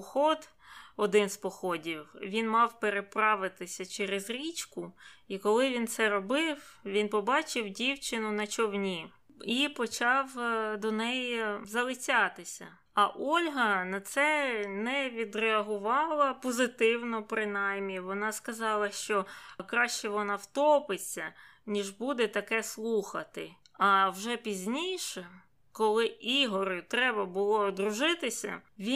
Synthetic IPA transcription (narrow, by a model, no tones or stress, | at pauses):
xɔd̪ | ɔd̪ɪnspɔxɔdʲiwʋʲinmɑwpeɾepɾɑʋɪt̪ɪsʲɐt͡ʃɛɾezɾʲit͡ʃkʊikɔlˠɪʋʲint̪sɛɾɔbɪwʋʲinpɔbɑt͡ʃɪwdʲiwt͡ʃɪnʊnɐt͡ʃɔwnʲi | ipɔt͡ʃɑwd̪ɔnɛjzɐlˠɪt͡sʲɑt̪ɪsʲɐ̰ | ɐʔɔlʲɦɐnɐt̪sɛnɛʋʲid̪ɾeɐɦʊʋɑlˠɐpɔzɪt̪ɪwnɔpɾɪnɑjmʲːiʋɔnɑskɐzɑlˠɐʃt͡ʃɔkɾɑʃt͡ʃɛʋɔnɑwt̪ɔpɪt͡sʲːɐnʲiʒbud̪ɛt̪ɐkɛslˠuxɐt̪ɪ | ɐwʒɛpʲizʲnʲijʃɛ | kɔlˠɪiɦɔɾʊt̪ɾɛbɐbʊlˠɔd̪ɾʊʒɪt̪ɪsʲɐ̰ʋʲi